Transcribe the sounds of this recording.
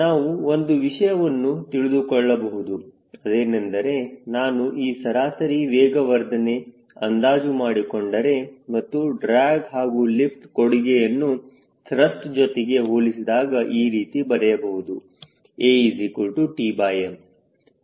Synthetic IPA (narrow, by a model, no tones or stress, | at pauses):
naːʋuo̞nd̪uʋiʂɐjɐʋɐnːut̪iɭid̪ukɔɭːɐbɐɦud̪u | ɐd̪eːnɐnd̪ɐɾe̞naːnuʔiːsɐɾaːsɐɾiʋɛːɡɐʋɐɾd̪ʱɐne̞ | ɐnd̪aːd͡ʒumaːɽikoɳɖɐɾe̞mɐt̪ːuɖɾaːɡɦaːɡulipʈkoɽiɡejɐnːu | t̪ɾɐsʈd͡ʒɔt̪eɡe̞ɦoːɭisid̪aːɡɐʔiːɾiːt̪ibɐɾɛjɐbɐɦud̪u | eːizikulʈuʈibaːjem